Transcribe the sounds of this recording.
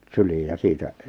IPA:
syliːj jɑ siːtæ

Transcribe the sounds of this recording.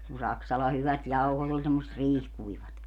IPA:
kun sɑksɑlɑ hyʋæt jɑuhot ol semːosĕt riːhkuiʋɑt

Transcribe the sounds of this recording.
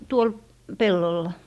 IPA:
tuol pelːolːɑ

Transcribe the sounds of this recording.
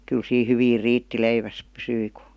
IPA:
kyl siː hyʋiːr riːtːi leiʋæs pysyi ku̥

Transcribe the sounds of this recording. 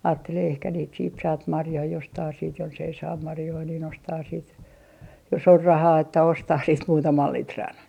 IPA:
ɑːtːeleː ehkæ niːt siːt sɑːt mɑrjoi jostɑː siːt jonsei sɑːm mɑrjoi nin ostɑː siːt jos or rɑhɑː etːæ ostɑh siːt muːtɑmɑl litrɑn

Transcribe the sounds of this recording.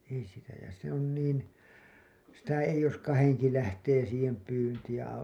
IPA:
ei sitæ jɑ se on niːn sitæ eij̆ jos kɑheŋki læhteː siːhem pyːntiːj jɑ

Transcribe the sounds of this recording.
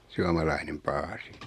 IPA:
suɑmɑlɑinem pɑːsi

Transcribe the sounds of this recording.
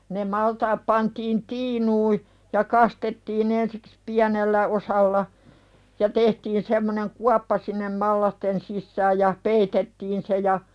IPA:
ne mɑltɑːp pɑntiːn tiːnuːi jɑ kɑstetːiːn ensi̥ks piænelːæ osɑlːɑ jɑ tehtiːn semːoneŋ kuɑpːɑ sinːem mɑlːɑsten sisːæːj jɑ peitetːiːn se jɑ

